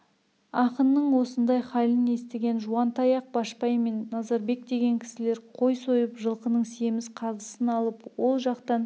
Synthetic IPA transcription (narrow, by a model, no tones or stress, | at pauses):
ɑqənːəɴwo̞sənd̪ɑjχɑlʲəne̞st̪eɡʲe̞nʒuɑnt̪ʰɑjɑq̚bɑʃpɑjme̞nːɑzɑɾbe̞kd̪e̞ɡʲe̞ŋkʲʰɪ̥sɪle̞ɾqʰo̞jso̞jəpʒəlˠqənəɴsije̞mɪsqʰɑzəsənɑlˠəpwo̞lˠʒɑqt̪ɑn